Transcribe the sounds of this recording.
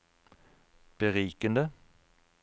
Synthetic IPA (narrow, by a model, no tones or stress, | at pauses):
b̥əʁiːkənd̪ə